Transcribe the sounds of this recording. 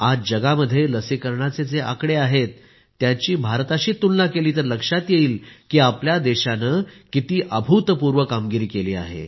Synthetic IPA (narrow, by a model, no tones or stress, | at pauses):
ad͡zd͡ʑəɡaməd̪ʱjeləsikəɾɳat͡sed͡zeʔa̰kɽeaɦet̪ː | jat͡ɕiːbʱaɾt̪aɕiːt̪ːunlakeliːt̪əɾləkʂat̪jeiːlkiːapljad̪eɕanəkit̪iːʔəbʱut̪puɾʋəkamɡiɾiːkeliːa̰ɦḛ